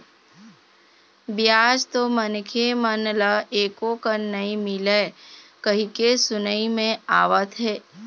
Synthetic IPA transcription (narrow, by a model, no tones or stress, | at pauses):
bjaːd͡ʒt̪omənkʰemənləeːkokəɾnəĩmɪlekəɦikesʊnəimẽaːʋət̪ɦɛː